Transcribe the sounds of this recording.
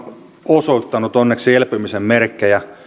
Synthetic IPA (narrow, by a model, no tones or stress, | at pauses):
osoit̪ːɑnut̪onːekselpymisemmerkːejɑ